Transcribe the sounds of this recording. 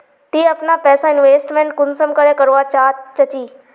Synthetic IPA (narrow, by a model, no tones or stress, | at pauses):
t̪iːɐpnapɛːsaɪnʋeːsʈmẽːɳʈ̚kʊnsəmkəɾekɐɾoat͡ɕaːt͡ɕɐt͡ɕiː